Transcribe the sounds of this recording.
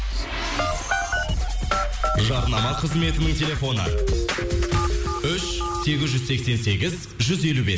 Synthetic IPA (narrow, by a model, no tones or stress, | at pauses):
ʒɑɾnɑmɑqʰəzme̞t̪ɪnɪŋt̪ʲʰe̞lʲe̞fo̞nə̰ | ʏʃse̞ɡʲɪzʒʏzse̞kse̞nse̞ɡʲɪz | ʒʏze̞lube̞s